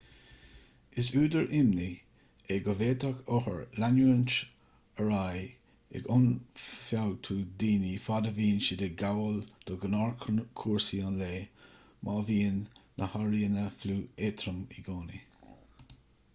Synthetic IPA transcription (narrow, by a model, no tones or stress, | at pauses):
ɪsuːd̪əɹʔɪmni | eɡəveːt̪akʰɔhə̰ɹlanuənt | əɹaj | ɛ̰ɡʊnfawt̪ʰuːd̪iːnifad̪əviːnʃɪd̪eɡawəld̪̥ɔɡənɑɹkʰkʰuːɹsiɑnleː | mʔaːviːnː | ʔəhaɹiːənəfluːeːt̪ʰɾəmiɡoːni